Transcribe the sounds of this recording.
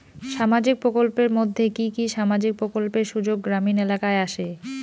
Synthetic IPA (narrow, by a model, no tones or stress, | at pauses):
ʃamad͡ʑik̚pɾokolpeɾmod̪ʱːekikiʃamad͡ʑik̚pɾokolpeɾʃud͡ʑoɡːɾaminelakaeaʃe